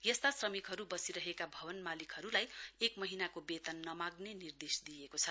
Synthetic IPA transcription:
jʌst̪asrʌmikɦʌɾubʌsiɾʌɦekabʱʌβʌnmalikɦʌɾulajekmʌɦinakobet̪ʌnːʌmaɡnenird̪esd̪ijekot͡sʰʌ

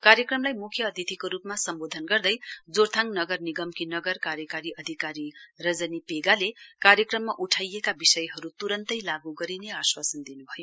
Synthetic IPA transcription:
kaɾjʌkrʌmlajmukʰjʌːd̪ʱit̪ʰikoɾupmasʌmbod̪ʱʌnɡʌrd̪ʌjd͡zort̪ʰaŋnʌɡʌrniɡʌmkinʌɡʌrkaɾjʌkaɾiʌd̪ʱikaɾirʌd͡zʌnipeɡalekaɾjʌkrʌmːaʔuʈʰajekabisʌjɦʌɾut̪uɾʌnt̪ʌjlaɡuɡʌɾineaswasʌnd̪inubʱʌjo

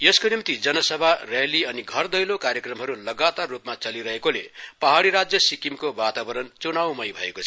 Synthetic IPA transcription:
jeskonimt̪id͡zʌnʌsʌbʱareliʌniɡʱʌrd̪ʌjlokaɾjʌkrʌmɦʌɾulʌɡat̪arːupmat͡sʌliɾʌɦekolepʌɦaɽiɾad͡zjʌsikimkobat̪abʌɾʌnt͡sunawmʌjbʱʌekot͡sʰ

